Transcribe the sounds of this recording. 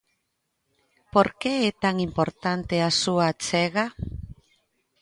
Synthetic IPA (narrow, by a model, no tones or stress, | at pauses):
po̞ɾke̞ːt̪aŋimpo̞ɾt̪ant̪e̞asuat͡seɣa